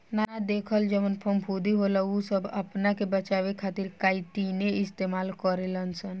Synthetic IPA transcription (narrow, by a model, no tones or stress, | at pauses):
nanad̪eːkʰəld͡ʒəmənpʰəmpʰud̪iɦolausəbəpnakebət͡ʃaːʋekʰaːt̪iɾkaːit̪ineɪst̪emaːlkɔɾelənsən